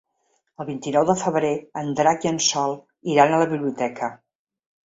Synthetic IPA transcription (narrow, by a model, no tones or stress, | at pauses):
əlˠβint̪inɔwðəfəβɾeənd̪ɾakiənsɔlˠ | iɾanələβiβliut̪ɛkʰə